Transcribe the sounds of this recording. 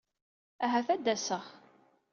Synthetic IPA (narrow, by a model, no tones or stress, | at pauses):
æɦæθæd̪ːæsəʁ